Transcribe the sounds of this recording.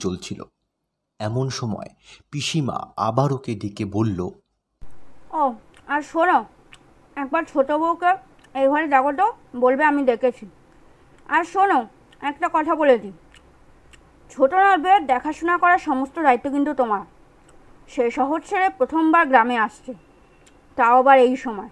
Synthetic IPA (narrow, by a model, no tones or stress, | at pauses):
t͡ɕolt͡ɕʰilo̰ | ɛmonʃɔmɔ̰epiʃima̰a̰baɾoked̪ekebolːo | o | aɾʃono | ɛk̚baɾt͡ɕʰoʈobowke | ejbʱɔɾed̪aɡot̪obolbeamid̪ekʰet͡ɕʰi | aɾʃono | ɛk̚ʈakɔt̪ʰabolet̪i | t͡ɕʰoʈonaɾbeeɾd̪ɛkʰaʃunakɔɾaʃɔmost̪od̪ait̪ːokint̪ut̪omaɾ | ʃejʃɔɦod͡ʑʃʰeɾepɾot̪ʰombaɾɡɾameaʃt͡ɕʰe | t̪aobaɾejʃɔmɔe